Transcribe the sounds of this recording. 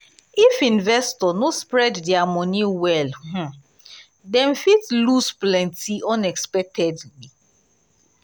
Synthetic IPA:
ifĩnvɛstɔnospɹɛddɛamɔniwɛlh̩ | dɛ̃mfitlusplɛ̃ntiɔ̃nɛkspɛk̚tʰɛdli

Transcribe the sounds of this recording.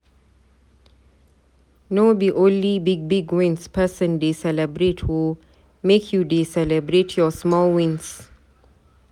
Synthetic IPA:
nodiʔõnlibiɡ̚biɡwɪ̃nspʰəsə̃ndesɛləbɹetʰwu | mekʰjudesɛlɛbɹetʰjɔsmɔlwĩns

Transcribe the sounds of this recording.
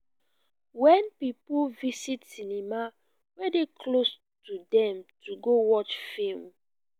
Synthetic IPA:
wɛ̃npipuvisitsinima | wɛdekʰlos | tudɛ̃mtuɡowɔt͡ʃfem

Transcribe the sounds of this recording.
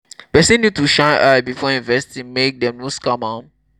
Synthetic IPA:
pɛsɛ̃nːjud̚tuʃãɪ̃nʔabifɔĩnvɛstĩŋmek̚dɛ̃mnoskamãn

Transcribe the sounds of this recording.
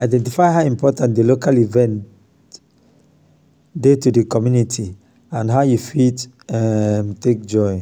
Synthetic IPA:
aɪdɛ̃ntifaɪɦaʊĩmpɔtãntdelokalivɛ̃nt | detudəkɔmjunitʰi | ãnɦaʊjufit | ɛmtek̚d͡ʒɔɪ

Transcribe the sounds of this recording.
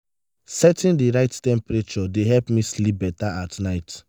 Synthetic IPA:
sɛtĩndiɹaɪttɛ̃mpɹet͡ʃɔdeɦɛlpmislip̚bɛtaatnaɪt

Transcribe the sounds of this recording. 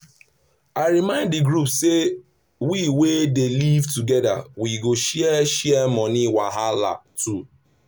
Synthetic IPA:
aɪɾimãɪ̃ndiɡɾupse | wiwedelivtuɡɛda̰wiɡoʃɛʃɛmɔniwaɦala̰tu

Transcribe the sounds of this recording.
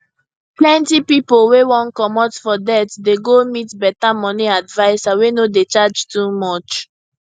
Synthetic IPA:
plɛ̃ntipipolwewɔ̃nkɔmɔtfɔdɛtdeɡomitbɛtamɔniadvaɪsawenodet͡ʃad͡ʒtumɔt͡ʃ

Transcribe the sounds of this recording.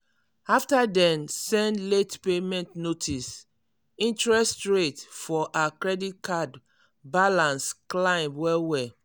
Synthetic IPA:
aftadɛ̃nsɛ̃ndletpemɛ̃ntnotʰis | ĩntɹɛstɹetfɔʔakɹɛdit̚kʰad | balãnsklãɪ̃mbwɛwɛ

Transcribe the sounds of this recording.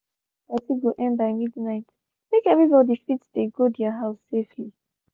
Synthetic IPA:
asiɡoʔɛ̃nbaɪmidnaɪt | mekɛvɹibɔdifitsdeɡodjaɦaʊsːefli

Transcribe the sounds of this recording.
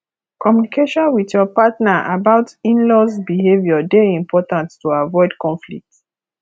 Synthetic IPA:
kɔmjunikʰeʃɔ̃nwiðjɔpatnaʔa̰baʊtĩnlɔsbiɦevjɔdeĩmpɔtãntːuavɔɪdkɔ̃nflḭk̚t

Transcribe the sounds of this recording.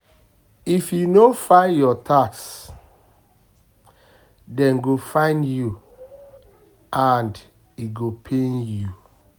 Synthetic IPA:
ifjunofaɪjɔtʰaks | dɛ̃nɡofãɪ̃ndju | ãnd | iɡopʰẽnju

